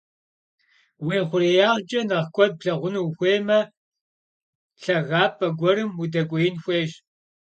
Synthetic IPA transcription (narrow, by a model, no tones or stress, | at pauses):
weːχʷʊɾeːjaːʁd͡ʒʼɐnɐʁkʷʼɔd̚pɬɐʁʷʊnuwxʷeːmɐ | ɬɐʁɑːpʼɐɡʷɔɾɨmudɐkʷʼɔjɪnxʷeːʒ